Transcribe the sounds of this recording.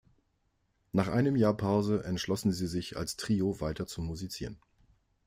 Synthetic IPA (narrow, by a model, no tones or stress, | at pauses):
naːχʔaɪnəmjaːɐpʰaʊzəʔɛntʃlɔsn̩ziːzɪça̰lstʁ̥iːovaɪtɐt͡sʊmuzit͡siːʁən